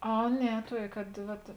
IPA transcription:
ˈɐ ˈnʲɛ ˈtuɔkʲeː kɐt ˈʋɐt

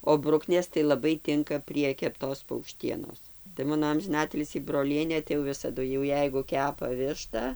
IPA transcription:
oː ˈbrʊknʲeːs tɐɪ lˠɐˈbɐɪ ˈtʲɪŋkɐ pʲrʲiɛ kʲɛpˈtoːs pɐʊkˈʃʲtʲiɛnoːs tɐɪ ˈmɑːnoː ɐmʲʒʲɪˈnɑːtʲɪlʲsʲiː broːˈlʲiɛnʲeː tɐɪ jɛʊ ˈʋʲɪsɐdʊ jɛʊ ˈjɛɪɡʊ ˈkʲæːpɐ ˈʋʲɪʃtɐ

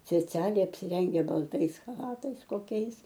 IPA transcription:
sʲpʲɛˈt͡sʲæːlʲɛɪ ɐpʲsʲɪˈrʲɛŋʲɡʲæː bɐlˠˈtɐɪs xɐˈlˠɑːtɐɪs koːˈkʲɛɪs

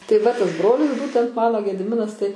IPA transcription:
tɐɪ ˈʋɐ ˈtɑːzˈbroːlʲɪs ˈbuːtʲɛnt ˈmɑːnoː ɡʲɛdʲɪˈmʲɪnɐs tɐɪ

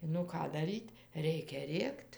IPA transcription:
nʊ ˈkɑː dɐˈrʲiːtʲ ˈrʲɛɪkʲɛ ˈrʲeːkt

